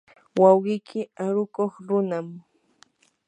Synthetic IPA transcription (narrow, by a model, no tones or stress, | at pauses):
wawɢɪjkʰɪaɾʊkoχɾʊnam